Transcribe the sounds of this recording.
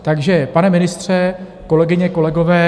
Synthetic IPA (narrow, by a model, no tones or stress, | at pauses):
t̪aɡʒɛpanɛmɪnɪst̪r̝̥ɛ | ko̞lɛɡɪɲɛko̞lɛɡo̞vɛː